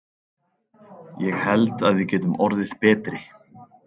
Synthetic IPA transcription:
jɛɣhɛlt̪aðvɪcɛːt̪ʏmɔɾðɪðpɛːt̪ɾɪ

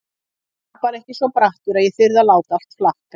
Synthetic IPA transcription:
paɾɛhcɪsɔɔmpɾaht̪ʏɾaðjɛθʏɾðalaːwt̪al̥t̪flahka

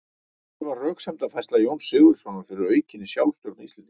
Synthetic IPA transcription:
ɾvarrœːksɛmt̪afɛjst̪lajownsʏːɣʏɾ̥sɔnafɪɾɪɾœːɥcɪnɪsjawlst̪ɔɾt̪nist̪lɪnɪ̥

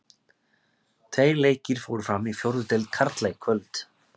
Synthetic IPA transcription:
t̪ʰvejɾleːjcɪɾ̥foːwɾʏ̥fɾamifjowɾðʏt̪ɪlt̪kʰaɾt̪lajɣkʰvœlt̪

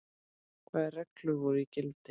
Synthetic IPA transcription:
kʰvɛːðrɛklʏvɔɾicɪlt̪ɪ

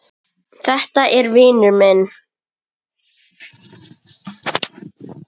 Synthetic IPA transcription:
θɛht̪aʔɛɾvɪːnʏɾmɛn

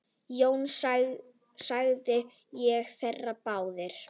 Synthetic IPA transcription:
jowns | saɣðɪ | jɛɣθɛrːapaːwðɪɾ̥

